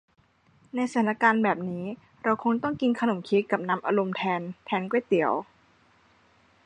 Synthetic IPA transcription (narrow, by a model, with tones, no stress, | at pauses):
na˧jsa˧t̪ʰaː˨˩na˦˥kaː˧nbɛː˨˩p̚niː˦˥ | ɾa˧wkʰo˧ŋt̪ɔ˥˩ŋki˧nkʰa˧no˨˩˦mkʰiː˦˥kːa˨˩p̚na˦˧˥mʔa˧ɾo˧mt̪ʰɛː˧nt̪ʰɛː˧nkwu˥˩jt̪i˨˩˦əw